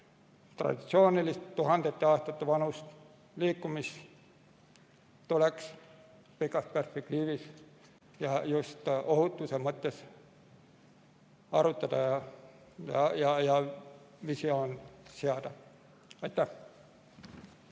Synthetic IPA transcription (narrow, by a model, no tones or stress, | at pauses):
t̪rɑ̰d̪̥it̪sioːnilist̪t̪uhɑnd̪et̪ːeɑːst̪ɑt̪ːæʋɑnust̪ | liːkːumis | t̪uleks | pikːˑɑsperspekt̪iːʋis | jɑjust̪ohut̪ːusemːot̪ːes | ɑrut̪ːɑt̪ɑjɑ | jɑjɑjɑ | ʋisioːnseɑt̪ɑ | ɑt̪ːæ